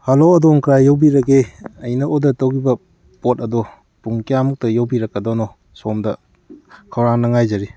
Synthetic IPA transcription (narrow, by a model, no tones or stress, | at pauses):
haloɐdoŋkɾajːowbiɾɐɡeɐjnɐʔodɐtowɡibɐ | pot̚ɐdɔ | puŋkijamuk̚tɐjawbiɾɐkːɐdɔnɔ | somdɐ | kʰɐwɾaŋnɐŋajzɐɾi